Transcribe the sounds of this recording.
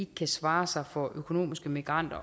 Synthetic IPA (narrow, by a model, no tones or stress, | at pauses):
eɡ̥ə̥kʰæsʋɑ̈ːsɑ̈ɪfɒʔøkʰo̝no̝̰ːmisɡ̥əmiɡ̥ʁɑn̰d̥ɐ